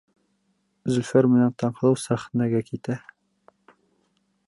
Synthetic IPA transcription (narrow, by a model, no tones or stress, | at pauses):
zɵ̆lʲfæɾmɘ̆nænt̪ɑɴqɤ̆lˠɤwsæχɤ̆næɡækit̪æ